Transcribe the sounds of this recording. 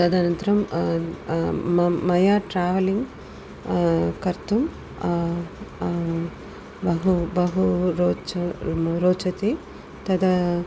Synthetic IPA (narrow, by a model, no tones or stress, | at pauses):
t̪ɐd̪ɐnɐnt̪ɐɾɐm | mɐjaːʈɾaːʋɐliŋɡ | kɐɾt̪um | bɐɦubɐɦuɾoːt͡ʃɐɾoːt͡ʃɐt̪i | t̪ɐd̪ɐ